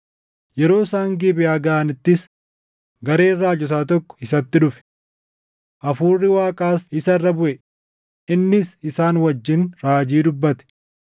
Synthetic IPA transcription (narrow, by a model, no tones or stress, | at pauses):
jɛɾo̞ːsaːŋɡiːbɪjaːɡɐʔɐnɪt̪ːɪs | ɡɐɾeːrːaːd͡ʒɔs̬aːt̪ɔkːɔ̥ɪsɐt̪ːɪᶑʊfɛ̥ | ʔɐfuːrːɪwaːkʼaːsɪsɐrːɐbʊʔɛ | ɪnːɪsɪsaːnwɐd͡ʒːɪnɾaːd͡ʒiːd̪ʊbːɐt̪ɛ̥